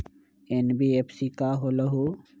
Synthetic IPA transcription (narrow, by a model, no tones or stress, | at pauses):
enbiepʰsikaɦoləɦu